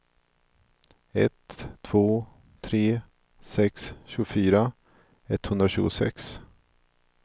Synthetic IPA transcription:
ɛt̪ʰːv̥oː | t̪ʰɾeː | sɛksɕɵːɡʊfyːɾa | ɛt̪hɵnd̪ɾaɕʉ̟ːɡʊsɛ̰ks

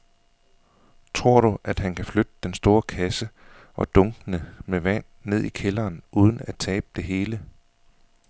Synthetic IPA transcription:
t͡sʰʁo̝ɐ̰ɾ̥uʔæd̥ɦænkʰæflød̥əd̥ensd̥o̝ːɐkʰæsə | ʔɒ̽d̥ɔ̽ŋɡ̥ənəmeʋæn̰ːe̝ð̞̰ˠikʰelɐːnʔuːð̞ˠn̩æt͡sʰɛːb̥̚əd̥e̝ɦe̝ːlə

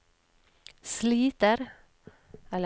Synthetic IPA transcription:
sliːt̪əɾ | ɛl

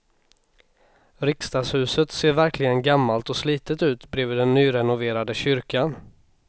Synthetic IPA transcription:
ɾɪkst̪ɑːshʉ̟ːsət̪seːɾvæɾklɪɡənɡamːalt̪ɔsliːt̪ət̪ʉ̟ːt̪bɾeːvɪːd̪ɛnːyːɾɛnʊveːɾad̪əɕʏɾkan

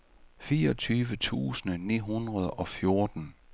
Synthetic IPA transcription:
fiːɐɒt͡sʰyːʋət͡sʰṵːsənənḭːɦunʁɐð̞ˠɒ̽fjo̝ɐd̥n̩

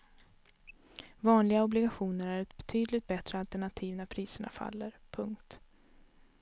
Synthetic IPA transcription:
vɑːnlɪɡaɔblɪɡaɧuːnəɾæɾɛt̪̚bɛt̪ʰyːd̪lɪt̪̚bɛt̪ɾəalt̪ɛɳat̪ʰiːvnæpʰɾiːsəɳa̰fa̰lːəɾpʰɵŋkt̪

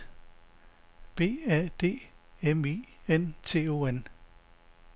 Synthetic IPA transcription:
b̥e̝̰ːɛd̥e̝̰ːemient͡sʰe̝̰ːo̝ːen

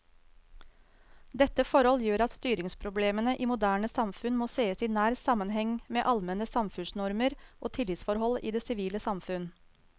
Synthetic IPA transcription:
d̪ɛt̪ːəfɔɾhɔljøːɾɑt̪st̪yːɾɪŋspʰɾʊbleːmənəʔiːmʊd̪æːɳəsɑmfʉnmoːseːəsiːnæːɾsɑmənɦɛŋmeːʔɑlmɛnəsɑmfʉnsnɔɾməɾʔoːt̪ʰɪlɪt̪sfɔɾhɔliːd̪eːsɪʋiːləsɑmfʉn

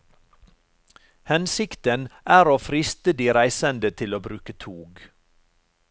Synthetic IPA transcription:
hɛnsɪkt̪ənʔæːɾoːfɾɪst̪əd̪iːɾæɪsənd̪ət̪ʰɪloːbɾʉːkət̪ʰuːɡ

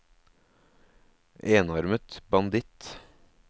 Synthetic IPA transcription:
ʔeːnɔɾmət̪bɑnd̪ɪt̪

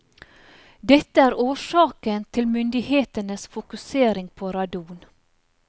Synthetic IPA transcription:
d̪ɛt̪əæːɾoːʃɑːkənt̪ʰɪlmʏnd̪ɪheːt̪ənəsfʊkʉseːɾɪŋpʰoːɾɑd̪uːn

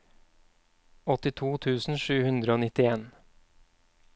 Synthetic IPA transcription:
ɔt̪ɪt̪ʰuːt̪ʰʉːsn̩ʃʉːhʉnd̪ɾəoːnɪt̪ɪeːn

